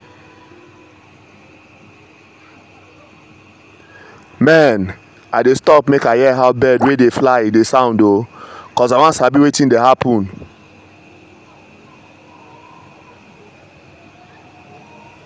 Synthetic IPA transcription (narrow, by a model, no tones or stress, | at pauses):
mɛn | adestɔpmekajɛɦaʊbɛdwedeflaɪidesãʊ̃ndokɔzaɪwãntsabiwetĩndeɦapʰũn